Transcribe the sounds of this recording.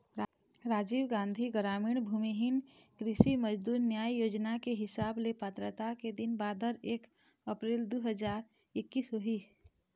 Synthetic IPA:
ɾaːd͡ʒiːʋɡãːnd̪ʱiɡəɾaːmɪɳbʱuːmiɦɪn | kɾɪʃiməd͡ʒd̪uːɾnjaːjjoːd͡ʒnakeɦɪsaːblepət̪ɾət̪aked̪ɪnbaːd̪ʱəɾeːk | əpɾeːld̪uːɦəd͡ʒaːɾ | ɪkːisɦoɦi

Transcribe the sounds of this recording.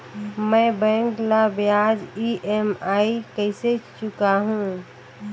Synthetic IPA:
məbɛ̃ŋklabjad͡ʒiʔemaikəɪset͡ʃʊkaɦũ

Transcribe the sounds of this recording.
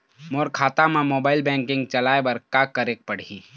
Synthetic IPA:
moːɾkʰaːt̪amãmoːbaːɪlbɛ̃ːŋkɪ̃ŋɡt͡ʃɐlaːebɐɾkaːkːəɾeːk̚pɐɽ̤iː

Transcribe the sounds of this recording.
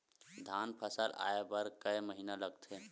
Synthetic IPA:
d̪ʱaːnpʰəsəlʔa̰ːepəɾkəjməɦiːnaləɡt̪ʰe

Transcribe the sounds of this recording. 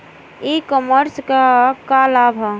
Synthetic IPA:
ikɔməɾskakalabʱɔ

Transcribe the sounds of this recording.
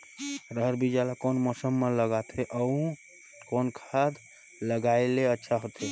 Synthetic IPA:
ɾəɦəɾbid͡ʒalakonmɔsəmːeləɡat̪ʰeʔəũ | konkʰad̪ | ləɡaeleətːʃʰaɦot̪e

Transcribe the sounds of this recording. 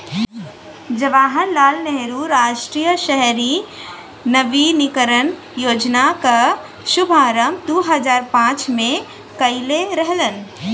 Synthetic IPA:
d͡ʒɐʋaːɦənlaːlnɛɦɾuɾaːʃʈɾiːjəʃɛɦɾi | nəʋinɪkəɾən | joːd͡ʒnaka | ʃʊbʱaːɾəmd̪oɦəzaːɾpãːt͡ʃmẽ | kɐɪleɾəɦlən

